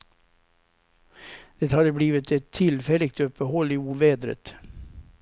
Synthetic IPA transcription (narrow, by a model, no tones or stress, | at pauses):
d̪̥ɛt̪hɑd̪əbliːʋət̪ɛt̪ʰːɪlfɛlɪk̚t̪ɔpəhɔlɪuːʋeːd̪ɾə̰t̪